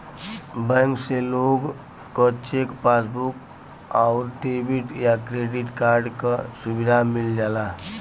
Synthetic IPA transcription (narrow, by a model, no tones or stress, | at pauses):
bə̃ŋkseloɡ | kət͡ʃekpasbuk | aʊɾʈebiʈjakɾeɖiʈkaɾɖkəsubid̪ʱamild͡ʒala